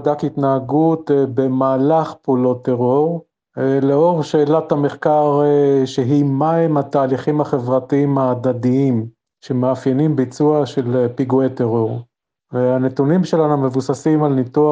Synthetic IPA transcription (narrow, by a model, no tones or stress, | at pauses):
d̪akit̪naaɡut̪be̞maːlaχpulot̪eʁo̞ʁ | leo̞ʁʃeːlat̪hameχkaʁʃeɦimaimhat̪aːliχimaχe̞vʁat̪iimaːd̪ad̪iim | ʃe̞meafjenimbit͡suaʃe̞lepiɡueteʁo̞ʁ | veanet̪unimʃelanume̞vusasimalnit̪ua